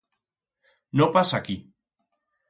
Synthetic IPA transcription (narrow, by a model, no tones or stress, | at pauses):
nopasaki